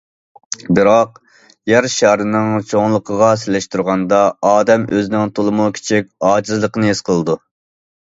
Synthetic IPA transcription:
bɨɾɑq | jæɾʃɑɾɨnɨŋt͡ʃʰoŋlˠəqʰəʁɑsɪlɛʃt̪uɾʁɑnd̪ɑɑːd̪ɛmøzɪnɪŋt̪ʰolˠɨmukʲʰe̥t͡ʃʰik̚ʲɑːd͡ʒizlˠəqənɨesqʰəlˠɨd̪u

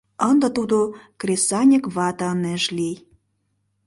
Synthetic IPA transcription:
ənd̪ə̆t̪ud̪okrʲesɑnʲəkβɑt̪əneʒlij

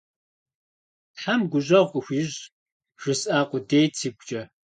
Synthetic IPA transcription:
ħamɡʷʊʑɐʁʷʊxʷiːʑ | ʒ̥ɨsʼaːqʷʊdeːjtʰiːɡʷt͡ʃʼɐ

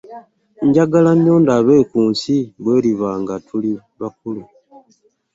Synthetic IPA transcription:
ɲɟaɡalaɲːo̞ːndaβe̞ːkuːnsiβwe̞ːɾiβaːŋɡatʰuli | βak̚ulu

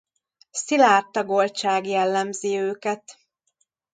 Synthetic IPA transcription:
silaːrt̪ɒɡolt͡ʃaːɡjɛlːɛmziøːkɛt̪

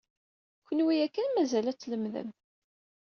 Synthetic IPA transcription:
kʷːənwijækːænmæzælæt͡sːləmðə̰m

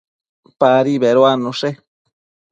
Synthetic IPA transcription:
paɾiβeɾoanũʂe

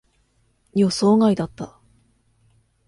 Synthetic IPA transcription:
iosoːŋaid̪at̪ːa

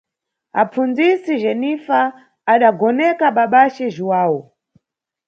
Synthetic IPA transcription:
a̰p͡fund͡zisiʒɛnifaː | ɗaɡɔnɛkaɓaɓat͡ʃɛʒiwaːwɔ

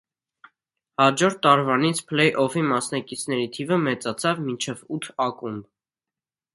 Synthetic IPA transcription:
hɑd͡ʒɔɾt̪ʰːɑɾvɑnit͡sʰpʰlɛjʔɔvimɑsnɑkit͡sʰnɛɾit̪ʰivəmɛt͡sɑt͡sʰɑvmint͡ʃʰɛvut̪ʰɑkʼumb

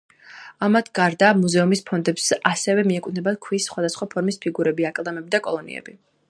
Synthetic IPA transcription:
amat̪ʰɡ̥aɾd̪aːmuzɛumispʰɔnd̪ɛpsʔasɛvɛmiɛk̪ʼnɛbad̪̚kʰwisːχwad̪asχwapʰɔɾmispʰiɡuɾɛbiakʼlˠamɛbid̪akʼɔlˠɔnḭɛ̰bi

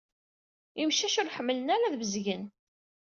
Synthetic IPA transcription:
imʃæʃʊɾħəmːlənæɾæðvəzʝən

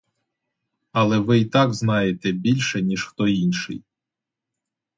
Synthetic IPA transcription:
ɐlˠɛʋɪit̪ɑɡznɑjet̪ɛbʲilʲʃɛnʲiʃxt̪ɔinʃɪ̰j

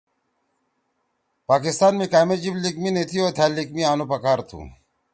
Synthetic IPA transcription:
paːkist̪aːnmẽkaːmed͡ʑiblikminet̪ʰioːt̪ʰaːlːikmiaːnupɐkaːɾt̪ʰṵ̃ː

